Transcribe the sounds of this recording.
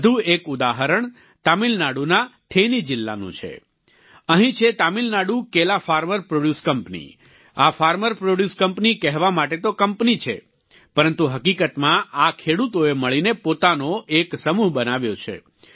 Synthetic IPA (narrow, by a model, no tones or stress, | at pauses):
d̪ʱuekud̪aɦəɾəɳ | t̪amilnaɽunat̪ʰenid͡ʒɪlːa̰nṵ̃t͡ʃʰḛ | əɦĩt͡ʃʰet̪amilnaɽukelafaɾməɾpɾoɖjuskəmpnḭ | afaɾməɾpɾoɖjuskəmpnikɛɦʋamaʈet̪okəmpnit͡ʃʰḛ | pəɾənt̪uɦəkikət̪mãakʰeɽut̪oeməɭinepot̪anoʔeksəmuɦbənaʋjot͡ʃʰḛ